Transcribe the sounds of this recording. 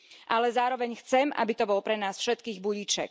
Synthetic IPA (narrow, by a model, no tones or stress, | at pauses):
ʔalɛzaːɾɔʋɛɲxt͡sɛma̰bit̪ɔbɔlpɾɛnaːsfʃɛt̪kiːɣbuɟit͡ʃɛ̰k